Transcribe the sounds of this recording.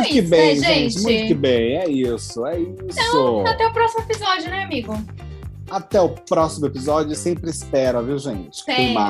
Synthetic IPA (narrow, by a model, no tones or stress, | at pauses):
ʊkɪbẽj̃ʒẽjt͡ʃɪmũj̃t̪ʊkɪbẽj̃ɛisʊɛisʊat̪ɛʊpɾɔsimʊepizɔd͡ʒjʊnɛ̃amiɡʊ | at̪ɛʊpɾɔsimʊepizɔd͡ʒʊsẽmpɾɪɪspɛɾɐviwʒẽt͡ʃɪ̥kẽma